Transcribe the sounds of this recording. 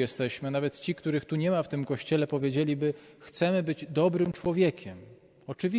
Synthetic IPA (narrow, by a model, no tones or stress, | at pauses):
jɛst̪ɛɕmɘanavɛt̪t͡ɕikt̪uɾɘxt̪uɲɛmaft̪ɘmkɔɕt͡ɕɛlɛpɔvʲjed͡ʑelʲibɘ | xt̪sɛmɘbɘd͡ʑd̪ɔbɾɘmt͡ʂwɔvʲjɛkʲʰɛm | ɔt͡ʂɘvʲi